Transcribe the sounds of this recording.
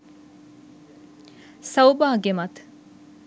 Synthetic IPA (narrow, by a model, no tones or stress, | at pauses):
sɐwbaːɡemɐt̪